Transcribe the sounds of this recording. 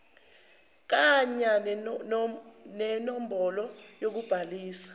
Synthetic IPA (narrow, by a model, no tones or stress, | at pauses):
k̬aɲa | nɛnɔm̩bɔlɔjok̬ub̥ʱaliːsḁ